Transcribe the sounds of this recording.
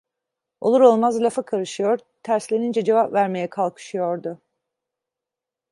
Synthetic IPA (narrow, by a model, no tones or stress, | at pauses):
o̞lˠuɾo̞lˠmazlʲafakʰaɾɯʃɯjo̞ɾt̪ʰæɾslʲe̞nind͡ʒɛd͡ʒevapvæɾme̞jɛkʰalˠkʰɯ̥ʃɯjo̞ɾd̪ʊ